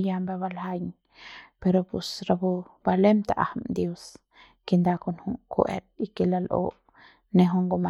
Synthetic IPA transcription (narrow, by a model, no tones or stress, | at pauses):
jambaβalhajɲ | peɾopusɾabubalemt̪aʔahamd̪jos | kend̪akonhuŋkṵʔḛt̪̚ikelalʔo̰ʔ | neɦuŋɡoma